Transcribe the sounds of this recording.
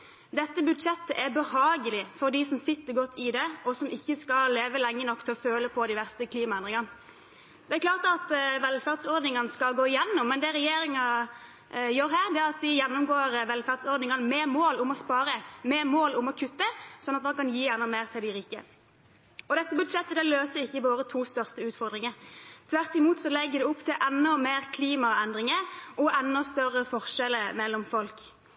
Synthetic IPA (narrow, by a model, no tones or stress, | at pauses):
d̪ɛt̪ːəbʉd̪ʂɛt̪ːəʔæɾbəhɑːɡəlɪfɔɾd̪ɪsɔmsɪt̪ːəʁɡɔt̪ʰːɪd̪ɛɔsɔmʔɪçːəskɑleːʋəlɛŋːənɔkːt̪ʰɪlɔføːləpʰɔd̪ɪʋæʁst̪əkʰliːmɑɛnʁɪŋɑn | d̪̥ɛækʰlɑːʁt̪ɑt̪ʋɛlfæːʁd̪sɔɾd̪nɪŋɑnəskɑlɡoːɪjɛnːʊmːɛnd̪ɛɾɛjeːɾɪŋɑ | jøːɾɦæːʁd̪ɛæɾɑt̪̚d̪ɪjɛnːʊmɡoːɾʋɛlfæʁd̪sɔɾd̪nɪŋɑnəmeːmoːlʊmɔspɑːɾəmeːmoːlʊmɔkʰʉt̪ːəsɔnːɑt̪mɑnkɑnjiːɛnɔmeːʁt̪ʰɪld̪ɪɾiːkə̰ | ɔd̪ɛt̪ːəbʉd̪ʂɛt̪ːəd̪ɛløːsəɾɪçːəʋoːɾət̪ʰuːst̪œʁst̪əʉːt̪fɔʁd̪ʁɪŋəɾt̪ʰʋæʁt̪ɪmuːt̪sɔlɛɡːəd̪ɛʊpt̪ʰɪlʔɛnːɔmeːʁkʰliːmɑɛnd̪ʁɪŋəʔɔʔɛnːɔst̪œrəfɔʁʂɛləmɛlːɔmfɔlk